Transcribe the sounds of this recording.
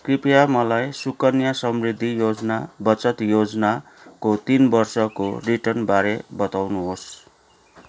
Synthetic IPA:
kripjamʌlajsukʌnjasʌmrid̪ʱːijod͡znabʌt͡sʌt̪jod͡zʌna | kot̪inbʌrsʌko̰riʈʌrnbaɾebʌt̪awnuɦos

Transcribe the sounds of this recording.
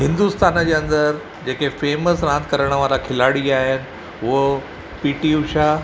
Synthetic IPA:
ɦɪ̃nd̪ust̪aːnəd͡ʑeːɐ̃nd̪əɾ | d͡ʑeːkefeːməsɾãːnt̪̚ʰkəɾəɽ̃əʋaːɾakʰɪlaɽiaːɦenɪ̆ | ɦʊɦə | piːʈiuʃa

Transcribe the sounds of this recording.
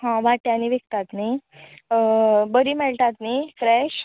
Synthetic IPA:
ɦãʋaʈjañiʋek̚t̪at̪ni | bəɾiːmɛɭʈ̪at̪nikɾɛɕ

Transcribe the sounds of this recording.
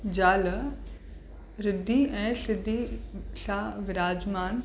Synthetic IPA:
d͡ʑaːl | ɾɪd̪ʱːiɛ̃ːsɪd̪ʱːisaːʋɪɾaːd͡ʒmaːn

